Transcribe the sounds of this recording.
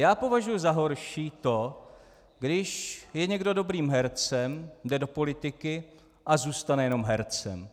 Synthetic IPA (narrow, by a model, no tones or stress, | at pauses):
jaːpo̞vaʒujʊzaɦo̞ɾʃiːt̪o̞ | ɡdɪʃjɛɲɛɡdo̞do̞bɾiːmɦɛɾt͡sɛmdɛdo̞po̞lɪt̪ɪkɪ | ʔazuːst̪anɛjɛno̞mɦɛɾt͡sɛ̰m